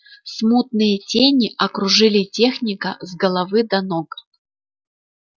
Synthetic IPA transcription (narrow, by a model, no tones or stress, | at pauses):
smut̪̚nɨjətʲenʲiʔɐkɾʊʐɨlʲitʲexnʲikəzɡəlˠɐvɨd̪ɐnok